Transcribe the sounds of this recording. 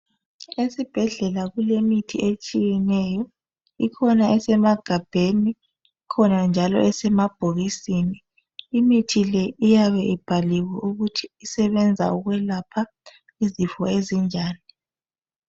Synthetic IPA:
esib̥ʱɛɮɛlaɣulemitʰiʔet͡ʃʼijɛnɛjɔ | ikʰɔnaʔɛsɛmaɡ̥ʱab̥ʱeniː | kʰɔnand͡ʒʱalɔ̰ʔɛsɛmab̥ʱoɣisiniː | mitʰilɛijaβɛʔib̥ʱaliwɛʔuɣutʰi̥ːsɛβɛnd͡zʱa̰uɣwɛlapʰa | izifɔezind͡ʒʱaːni

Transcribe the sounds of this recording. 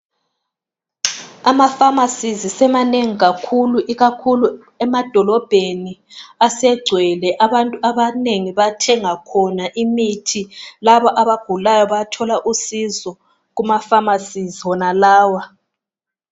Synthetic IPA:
amafamasizisɛmaneŋiɣakʰuluʔiɣakʰulu | ɛmad̥ʱɔlɔb̥ʱeniasɛɡ͡ǀʱwɛlɛʔaβantʼuaβaneŋiβatʰɛŋakʰɔnaʔimitʰilaβɔʔaβaɡ̥ʱulajɔβatʰɔlaʔusizɔ | ɣumafamasiziwɔnalaːwa

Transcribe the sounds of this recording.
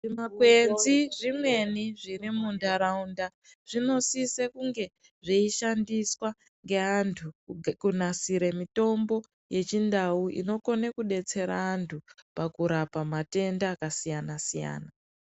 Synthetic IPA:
ʐimakwe̞nziʐimwe̞niʐirimundaɾaunda | ʐ̥ino̞sisekuŋɡe̞ | ʐiiʃandiswa | ŋɡe̞antʰukunasiɾemito̞mbo̞ | je̞t͡ʃindauʔḭno̞ko̞nekuɗe̞t͡se̞ɾaːntʰupakuɾapamate̞ndaːkasijanasija̰ːna

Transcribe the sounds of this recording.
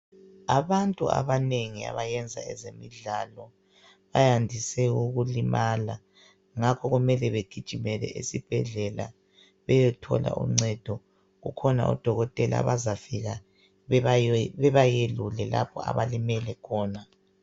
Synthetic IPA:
aβantʼua̰βaneŋia̰βajɛnd͡zʱa̰ɛzemiɮalɔ | βajandʱisɛuɣulimala | ŋakʰɔɣumɛlɛβeɡ̥ʱid̥ʒ̥ʱimɛlɛ̰ʔḭsib̥ʱɛɮɛla̰ | βɛjɛtʰɔ̰la̰ʔṵŋ͡ǀɛd̥ʱɔ | ɣukʰɔna̰ʔṵd̥ʱɔɣɔtʼɛla̰βazafiɣa | βɛβajelulɛla̰pʰɔa̰βalimɛlɛkʰɔːna

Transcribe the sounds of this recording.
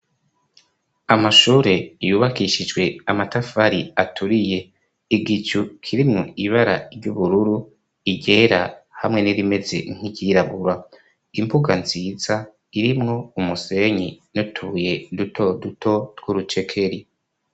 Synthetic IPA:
amaʃuːɾe̞juːβakiʃid͡ʒɡwe̞amatafaɾiatuɾije̞ | iɡit͡ʃukʰiɾimŋoiβaɾa̰ɾɟuβuɾuɾu | iɟe̞ɾahamŋe̞niɾime̞ze̞̰ŋ̥iɟiɾaβuɾa | impuɡanziːza | iɾimŋo̞umuse̞ɲinutʰuje̞dutʰodutʰo̞ɾɡuɾut͡ʃe̞kʰe̞ɾi

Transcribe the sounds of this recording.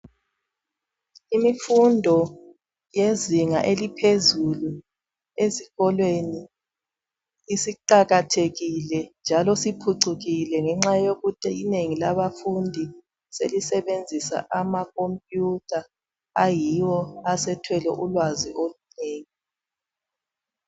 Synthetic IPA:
imifundʱɔ | jeziŋaʔelipʰezulu | eziɣɔlweni | siǃaɣatʰeɣilɛnd͡ʒʱalɔsipʰuǀuɣilɛŋɛŋ͡ǁajoɣutʰʼɛineŋilaβafundʱi | selisɛβend͡zʱisa̰ʔamakʰompʼjutʰa | ajiwɔasɛtʰwɛlɛ̰ʔulwaziʔoluneːŋi

